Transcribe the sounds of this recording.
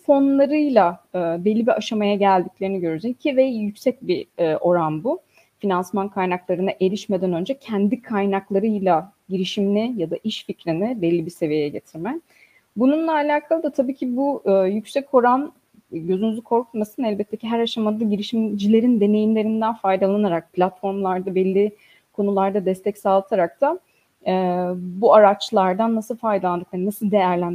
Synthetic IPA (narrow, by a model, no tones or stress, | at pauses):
fo̞nlˠaɾɯjlˠaɯːbelʲːibiʔaʃamajaɟælʲd̪iclʲe̞ɾiniɟø̞ɾyd͡ʒecʰivɛjycsɛc̚biʔo̞ɾanbu | finansmankʰajnaklˠaɾɯnaʔe̞lʲiʃme̞d̪ænø̞nd͡ʒɛcʰænd̪ikʰajnaklˠaɾɯjlˠa | ɟiɾiʃimlʲijad̪aʔiʃficɾinibelʲːibise̞vijejɛɟe̞t̪ʰiɾmɛ | bununlˠaːlʲaːkʰalˠɯd̪at̪ʰabiːcʰibuɯːjycsɛcʰo̞ɾan | ɟø̞zynyzykʰo̞ɾkʰut̪masɯnɛlʲbɛt̪ʰːe̞ciɦæɾaʃamad̪ˠaɟiɾiʃimd͡ʒilʲe̞ɾind̪e̞ne̞jimlʲe̞ɾind̪ænfajd̪alˠanaɾak̚pʰlʲat̪fo̞ɾmlˠaɾd̪abɛlʲːi | kʰo̞nulˠaɾd̪ad̪ɛst̪ʰɛcsaːlˠɯt̪ʰaɾak̚t̪ʰa | buaɾat͡ʃlˠaɾd̪anːasɯlˠfajd̪alˠand̪ɯklˠaɾɯnasɯlˠd̪e̞jæɾlʲæn